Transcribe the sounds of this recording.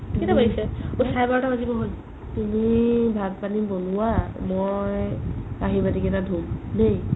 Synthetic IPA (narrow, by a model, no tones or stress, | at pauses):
kitabaisɛutʰajbaɹɔtabazibɔɦoj | tumibʱad̚panibonuwamojaɦibadikɛtadʱumnej